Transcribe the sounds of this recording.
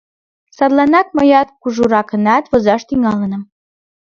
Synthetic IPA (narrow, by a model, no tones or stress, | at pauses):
sɑd̪lɑnɑk̚mɤ̆jɑt̪̚kuʒuɾɑkə̆nɑt̪βŏzɑʃt̪yŋɑlə̆nə̆m